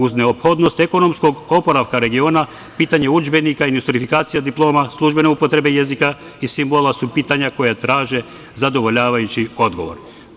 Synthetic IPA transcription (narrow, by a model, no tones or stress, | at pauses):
uzne̞opxo̞d̪no̞st̪e̞ko̞no̞msko̞ɡo̞po̞ɾaʋkaɾe̞ɡio̞ːna | piːt̪aɲeud͡ʒbe̞nikaind̪ust̪ɾifikaːt̪sijad̪iplˠo̞ːmaslˠuʒbe̞neupo̞t̪ɾe̞be̞jezika | isimbolˠasupiːt̪aɲako̞jat̪ɾaːʒe̞ | zad̪oʋo̞ʎaːʋajut͡ɕio̞d̪ɡo̞ʋo̞̰ɾ